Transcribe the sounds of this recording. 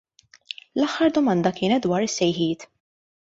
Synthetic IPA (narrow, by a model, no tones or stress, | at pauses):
lɐħːɐɾd̪ɔmɐnd̪ɐkɪːnɛt̪̚d̪wɐːɾɪsːɛjħiːt̪